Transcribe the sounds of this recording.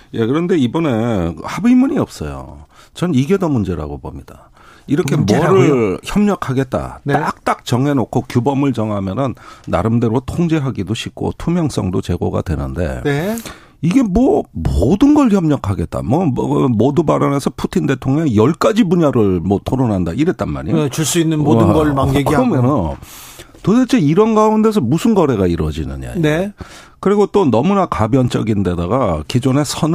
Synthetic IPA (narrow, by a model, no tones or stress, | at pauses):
je̞kɯɾʌnde̞ibʌne̞habimuɲiʌp̚s͈ʌ̰jo̰ | t͡ɕʌniɡe̞dʌmund͡ʑe̞ɾa̰ɡobo̰mɲid̥a | iɾʌkʰe̞ʌɾɯɭçjʌmɲʌkʰaɡe̞t̚t͈a̰ak̚t͈ak̚t͡ɕʌŋɦe̞nokʰokjubʌmɯɭt͡ɕʌŋɦamjʌnɯnːa̰ɾɯmde̞ɾotʰoŋd͡ʑe̞ɦaɡidoɕʰik͈ʰo̰tʰumjʌŋs͈ʌ̰ŋdot͡ɕe̞ɡo̰ɡa̰dwe̞̰nɯ̰nde̞̰ | iɡe̞mwʌmodɯnɡʌɭçjʌmɲʌkʰaɡe̞t̚t͈a̰mwʌɯmodubaɾʌne̞sʰʌpʰutʰinde̞tʰoŋjejʌɭk͈ad͡ʑibuɲaɾɯɭmwʌtʰoɾonɦandaiɾe̞t̚t͈anma̰ɾḭot͡ɕuɭs͈uinːɯnoɯɡʌɭmanɡeɡkiɾʌmʌno | todet͡ɕʰeiɾʌnɡaunde̞s̬ʰʌmusʰɯnɡʌɾe̞ɣaiɾʌ̰d͡ʑḭnɯ̰ɲa̰ | kɯɾiɡot͈onʌmunakabjʌnt͡ɕ͈ʌɡinde̞daɡakid͡ʑone̞sʰʌn